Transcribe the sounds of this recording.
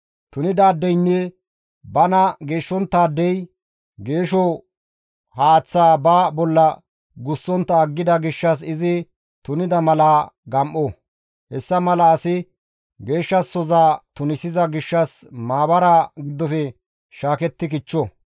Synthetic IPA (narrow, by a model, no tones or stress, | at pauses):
t̪ʊnɪd̪aːd̪ːɛjnːɛ | bɐnɐɡe̞ːʃːɔnt̪ːaːd̪ːɛj | ɡe̞ːʃɔ | haːt͡sːaːbaːbɔlːɐ | ɡʊsːɔnt̪ːɐːɡːɪd̪ɐɡɪʃːɐs̬ɪzɪ | t̪ʊnɪd̪ɐmɐlaːɡɐmʔɔ | hɛsːɐmɐlɐːsɪ | ɡe̞ːʃːɐsːɔzaːt̪ʊnɪsɪzɐɡɪʃːɐsmaːbɐɾaːɡɪd̪ːɔfɛ | ʃaːkɛt̪ːɪkɪt͡ʃːɔ